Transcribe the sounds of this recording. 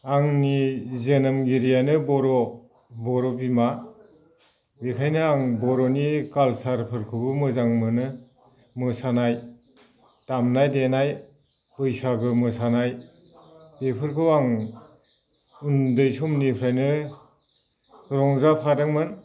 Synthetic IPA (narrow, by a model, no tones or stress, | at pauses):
aŋnizenamɡiɾijanɯbɔɾɔ | bɔɾɔbima | bikʰajnɯaŋbɔɾɔnikalsaɾpʰɯɾkʰɯɡɯmɯzaŋmɯnɯ | mɯsanaj | tamnajdenaj | pɯjsaɡɯmɯsanaj | bepʰɯɾkʰɯwaŋ | undɯjsɔmnipʰɾajnɯ | ɾɔŋzapʰadaŋmɯn